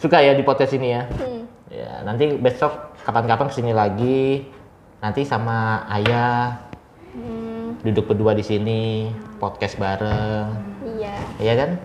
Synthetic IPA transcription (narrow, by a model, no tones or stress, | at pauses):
sukajadipɔt̪̚kɛsinija | ja̰nant̪ibet̪sɔk̚kapankapaŋkə̥sinilaɡi | nant̪isamaaja | dudʊk̚bəduadisinipɔt̪̚kɛsbaɾəŋ | jakan